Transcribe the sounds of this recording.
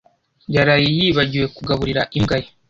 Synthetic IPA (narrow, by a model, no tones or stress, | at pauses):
jaɾajijiːβaɟiwe̞kuɡaβuɾiɾaʔiŋɡaje